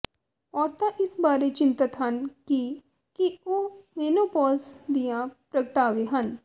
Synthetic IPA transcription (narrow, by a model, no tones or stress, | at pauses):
ɔːɾt̪ãʔɪsbaːɾet͡ʃɪ̃nt̪ət̪ɦɐnki | kioːmeːnopɔːzd̪ijãpɾɐkəʈaːʋeɦən